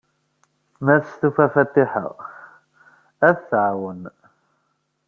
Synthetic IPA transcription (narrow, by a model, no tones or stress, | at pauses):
mæθəsθufæfæt̪ːiħə̰ʁ | æθθʕwən